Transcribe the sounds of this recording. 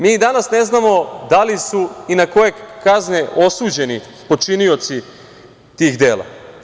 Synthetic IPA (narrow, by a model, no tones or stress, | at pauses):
miːd̪anasne̞znamo̞d̪alisuinako̞je̞kazɲeʔo̞suːd͡ʑe̞ni | po̞t͡ʃinio̞t̪si | t̪iːxd̪e̞ːlˠa̰